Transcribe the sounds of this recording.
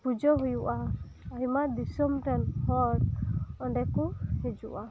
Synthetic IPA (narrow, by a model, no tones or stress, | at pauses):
pud͡ʒɔɦujuʔaː | jmad̪isɔmʈɛnhɔɾɔɳɖɛkuhɛd͡ʒuʔa